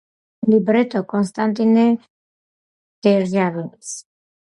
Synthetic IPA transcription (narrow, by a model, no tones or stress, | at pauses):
libɾɛt̪ʰʼɔkʼɔnst̪ʼant̪ʼinɛ | d̪̥ɛɾʒaɾɔis